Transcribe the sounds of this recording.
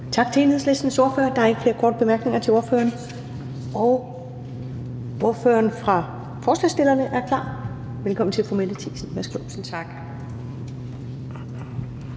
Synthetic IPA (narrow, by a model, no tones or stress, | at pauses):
t͡sʰɑ̈ɡ̥̚t͡sʰe̝e̝ːnheðˠsle̝sd̥n̩so̝ɐfø̰ːɐd̥ɑ̈ɑe̝ɡ̥fle̝ːɐkʰɒ̰ːd̥̚b̥e̝mæɐɡ̥ne̝ŋɐt͡sʰe̝lo̝ɐfø̰ːɐn | ɒ̽ʊ | o̝ɐfø̰ːɐnfʁɑ̈ | fɒːslɛ̰sd̥e̝lɐnəʔæɐkʰl̥ɑ̰̈ː | ʋelkʰɒ̽m̰n̩t͡sʰe̝lfɒmel̰ət͡sʰḭːsn̩ʋæɐsɡ̥losn̩t͡sʰɑ̈ɡ̥